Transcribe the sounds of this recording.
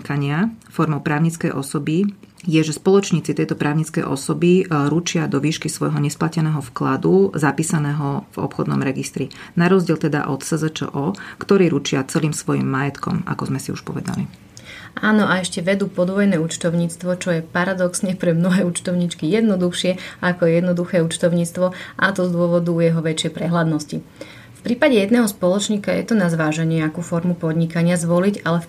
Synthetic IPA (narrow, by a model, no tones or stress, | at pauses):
kaɲɪafɔɾmɔʊpɾaːʊɲit͡skɛjʔɔsɔbi | jɛʒɛspɔlˠɔt͡ʃɲiːt͡sit̪ɛjt̪ɔpɾaːʊɲit͡skɛ̰jʔɔ̰sɔbiɾut͡ʃɪad̪ɔʋiːʃkisʋɔjɦɔɲɛsplacɛnɛːɦɔfklad̪uzapiːsanɛːɦɔvɔ̰pxɔd̪nɔ̰mɾɛɡist̪ɾinaɾɔzɟɪɛlt̪ɛd̪a̰ʔɔt̪sɛzɛt͡ʃɛ̰ʔɔkt̪ɔɾiːɾut͡ʃɪat͡sɛliːmsʋɔjḭːmːajɛt̪kɔ̰ma̰kɔzmɛsiṵʃpɔ̰ʋɛd̪a̰lḭ | ʔaːnɔʔaɛʃcɛʋɛd̪uːpɔd̪ʋɔjnɛːut͡ʃt̪ɔʊɲiːt͡st̪ʋɔt͡ʃɔjɛpaɾad̪ɔksɲɛpɾɛmnɔɦɛːut͡ʃt̪ɔʊɲit͡ʃkijɛd̪nɔd̪uxʃɪɛʔakɔjɛd̪nɔd̪uxɛːut͡ʃt̪ɔʊɲiːt͡st̪ʋɔʔat̪ɔzd̪ʊɔʋɔd̪ujɛɦɔʋɛt͡ʃɪɛjpɾɛɦlad̪nɔsci | fpɾiːpaɟɛjɛd̪nɛːɦɔspɔlɔt͡ʃɲiːkajɛ̰t̪ɔnazʋaːʒɛɲɛakuːfɔɾmupɔd̪ɲikaɲɪazʋɔliɟalɛf